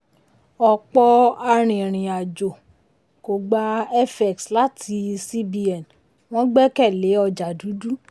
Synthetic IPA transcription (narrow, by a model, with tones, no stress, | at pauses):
ɔ˨k͡pɔ˧a˧ɾ̃ĩ˨ɾ̃ĩ˨a˨d͡ʒo˨ | ko˨ɡ͡ba˧ɛ˦fɛ˨ksla˦tʰi˧˦si˦bi˧ɛ˨n | w̃ɔ̃˦ɡ͡bɛ˦kɛ˦˨le˨˦ɔ˧d͡ʒa˨du˨˦du˦